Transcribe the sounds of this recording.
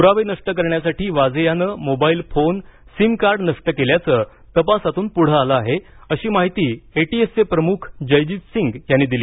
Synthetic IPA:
uɾaʋenəʂʈək̬əɾɳjasaʈʰiːʋad͡zjanəːmobaiːlfonsimkaɾɖnəʂʈəkeljat͡səː | t̪əpasat̪uːnpuɽ̤əaləaɦe | əɕiːmaɦit̪iːeʈiesepɾəmukʰd͡ʑəjd͡ʑitsiŋɡjanːiːd̪iliː

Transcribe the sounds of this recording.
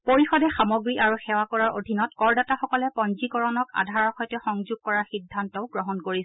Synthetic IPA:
poɹixɔdɛxamoɡɹiʔaɹuxɛwakɔɹaɹʔo̰dʱinɔtkɔɹdataxɔkɔlɛpɔnzikɔɹɔnɔka̰dʱaɹɔxɔjtɛxɔŋzuɡ̚kɔɹaɹxidʱːantɔʊɡɹɔɦɔnkoɹisɛ

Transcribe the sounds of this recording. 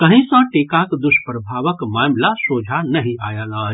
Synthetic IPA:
kəɦĩsə̃ʈekakd̪ʊʃpɾəbʱaʋəkmaːmlasoːd͡ʒʱanəɦĩa̰ːjalaː

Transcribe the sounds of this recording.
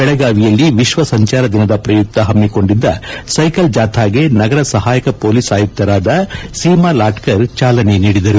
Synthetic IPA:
bɛɭɛɡaːʋijɐlːiʋiʃʋɐsɐɲt͡ʃaːɾɐd̪inɐd̪ɐpɾɐjuk̚t̪ɐɦɐmːiko̞ɳɖid̪ːɐsɐjkɐld͡ʒaːt̪ʰaːɡe̞nɐɡɐɾɐsɐɦaːjɐkɐpoːliːsaːjuk̚t̪ːɐɾaːd̪ɐsiːmaːlaːʈkɐɾt͡ʃaːlɐne̞niːɽid̪ɐɾu

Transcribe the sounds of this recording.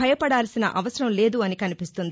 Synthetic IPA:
ɐjɐpɐɽaːlɐsinɐ̰ʔɐʋɐsɐɾɐmle̞ːd̪uɐnikɐnipist̪und̪i

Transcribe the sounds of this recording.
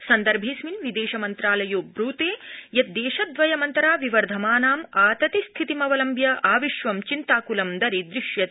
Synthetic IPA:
sɐnd̪ɐɾbʱiːsminʋid̪eːʃɐmɐnt̪ɾaːlɐjoːbɾuːt̪eːjɐt̪̚d̪eːʃɐd̪ʋɐjɐmɐnt̪ɐɾaːʋiʋɐɾd̪ʱɐmaːnaːmaːt̪ɐt̪ist̪ʰit̪imɐʋɐlɐmbjɐʔaːʋiʃʋɐmt͡ʃint̪aːkulɐmd̪ɐɾid̪ɾiʃjɐ

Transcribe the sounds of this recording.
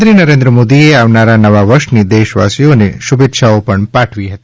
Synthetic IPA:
ɾiːnɐɾeːnd̪ɾəmoːd̪ieaːʋnaɾanɐʋaʋəɾʃnid̪eːʃʋa̰ːsijoneʃubet̪ːʃʰaopəɳpaːʈʰʋiɦɐt̪i

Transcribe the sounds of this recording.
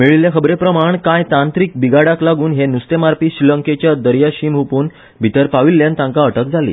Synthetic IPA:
miɭiljakʰəbɾepɾəmaɳkajt̪ãnt̪ɾiːk̚biɡaɽaklaɡuːnɦenust̪emaɾpiːɕɾiləŋket͡ɕjad̪əɾjaɕiːmɦupuːn | bʱit̪əɾpaʋilːjant̪ãŋkaəʈək̚d͡zʱalḭː

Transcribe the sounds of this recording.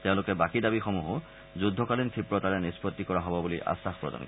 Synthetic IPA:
teʊ̃lʊkɛbakidabixɔmuɦɔ | zudʱːɔkalintʰipɹɔtaɹɛnispɔt̪ːikɔɹaɦɔbɔbuliʔa̰saxpɹɔ̰dɔ̰nk

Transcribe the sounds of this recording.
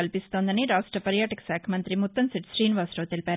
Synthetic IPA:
ɐlpist̪oːnd̪ɐniɾaːsʈɾɐpɐɾjaːʈɐkɐ̥saːkʰɐmɐnt̪ɾimut̪ːɐnsiʈsɾiːnʋaːsʈoːt̪elipaːɾ

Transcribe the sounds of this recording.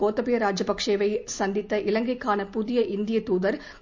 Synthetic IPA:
koːt̪ːɐpɪjɐɾaːd͡ʒɐpɐkʂeːʋɐɪsɐnd̪ɪt̪ːɐʔɪlɐŋɡɐɪkːaːnɐpʊðɪjɐʔɪnd̪ɪjɐt̪uːðɐɾ

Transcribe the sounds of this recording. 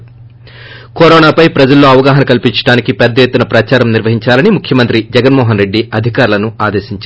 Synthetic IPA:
koːɾɔːnaːpɐjpɾɐd͡ʒɐlːo̞ːɐʋɐɡaːɦɐnɐkɐlpiɲt͡ʃɐ̥ɽaːnikipɛd̪ːɐjet̪ːunɐpɾɐt͡ʃaːɾɐmniɾʋɐɦiɲt͡ʃaːlɐnimukʰjɐmɐnt̪ɾid͡ʒɛɡɐnmɔːɦɐnɾe̞ɖːiɐd̪ʱikaːɾlɐnuaːd̪e̞ːʃiɲt͡ʃa

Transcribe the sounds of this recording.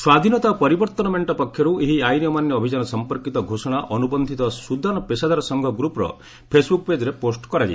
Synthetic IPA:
swad̪ʱinɔt̪apɔɾibɔɾt̪ɔnɔmeɳʈɔpɔkʰːjɔɾueɦiajnijɔmanjɔːbʱid͡ʒanɔsɔmpɔɾkit̪ɔɡʱosɔɽ̃aʔɔnubɔnd̪ʱit̪ɔsud̪ʱanɔpesad̪aɾɔsɔŋɡʱɔɡɾupɾɔ̰ | pʰesbuk̚ped͡ʒɔɾeposʈkɔɾad͡ʒḭ

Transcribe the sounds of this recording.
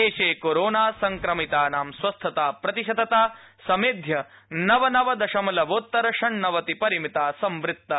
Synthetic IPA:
eːʃeːkoɾoːnaːsɐŋkɾɐmit̪aːnaːmsʋɐst̪ʰɐt̪aːpɾɐt̪iʃɐd̪ɐt̪aː | sɐmeːd̪ʱjɐ | nɐʋɐnɐʋɐd̪ɐʃɐmɐlɐʋoːt̪ːɐɾɐʂɐɳnɐʋɐt̪ipɐɾimit̪aːsɐmʋɾɪt̪ːɐ

